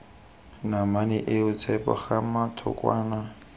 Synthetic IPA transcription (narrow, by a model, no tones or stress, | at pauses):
namanɛʔɪʊt͡sʰɛpɔ̰χamatʰɔ̰kwaːna